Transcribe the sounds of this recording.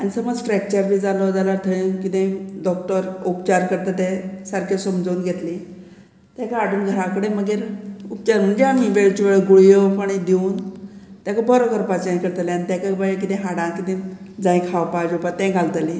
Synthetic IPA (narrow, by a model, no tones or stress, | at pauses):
añisəməd͡zʈɾɛk̚t͡ɕəɾbʱiːd͡zalɔd͡zalaɾt̪ʰəɭĩkit̪ẽɖɔk̚ʈəɾupt͡ɕaɾkəɾt̪ət̪ɛ̃saɾkʰesəmd͡zouːnɡʱet̪lĩ | t̪jãkaaɽuːnɡʱəɾãkəɽeməɡeɾup̚t͡ɕaɾm̤əɳd͡zeamiʋeɭt͡ɕuʋeɭəɡuɭjopəɳ̃id̪euːnt̪jakəbɔɾɔkəɾpat͡ɕãj̃kəɾt̪aljanit̪jakabək̬it̪ẽɦaɽãkit̪ẽ | d͡zãĩkʰaʋpad͡ʑopat̪ːɛ̃ɡʱalt̪alĩ